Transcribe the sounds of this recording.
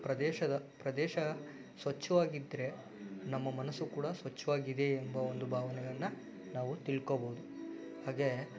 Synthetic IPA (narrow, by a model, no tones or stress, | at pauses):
pɾɐd̪ɛːʃɐd̪ɐpɾɐd̪ɛːʃɐ | sʋɐt͡ʃːɐʋaːɡid̪ːɾe̞ | nɐmːɐmɐnɐsːukuːɽɐsʋɐt͡ʃːɐʋaːɡid̪e̞ːmbɐond̪ubʱaːʋɐnɛɡɐɭɐnːɐ | naːʋut̪iɭkobɐɦud̪u | haːɡe̞